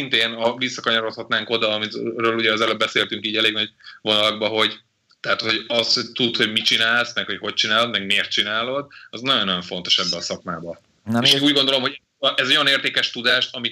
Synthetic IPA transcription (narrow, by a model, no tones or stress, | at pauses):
int̪eːnɒvisːɒkɒɲɒɾo̞t̪hɒt̪naːŋko̞d̪ɒːmirøːluɟɛɒzɛløbɛseːlt̪yŋkiːɟɛleːɡnɒɟvo̞nɒlɒɡ̚bɒɦo̞ɟ | t̪ɛɦat̪hoɟɒsht̪ut̪ho̞ɟmit͡ʃinaːlsmɛkho̞cho̞c̚t͡ʃinaːlo̞d̪mɛɡmeːrt̪̚t͡ʃinaːlo̞d̪ɒznɒjonːɒjoɱfo̞n̪t̪o̞ʃɛbːɛɒsɒkmaːbɒ | eːʃɡuːɟɡond̪olo̞mho̞ɛ | ʔɛzɛojɒneːrt̪eːkɛʃt̪ud̪aːʃɒmi